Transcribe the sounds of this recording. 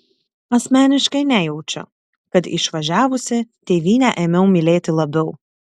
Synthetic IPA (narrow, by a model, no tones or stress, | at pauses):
ɐsʲmʲæːnʲɪʃkɐɪnʲɛjɛʊt͡ʃʲɔ̰ | kɐt̪ɪ̰ʃʋɐʒʲæːʋʊsʲɪt̪ʲeːʋʲiːnʲæʔemʲɛʊmʲɪlʲeːt̪ʲɪlˠɐbʲɛʊ